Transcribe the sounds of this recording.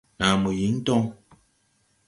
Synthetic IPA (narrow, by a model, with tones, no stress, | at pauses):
na˨mu˨ji˨˦n̩˦tɔ˦ŋ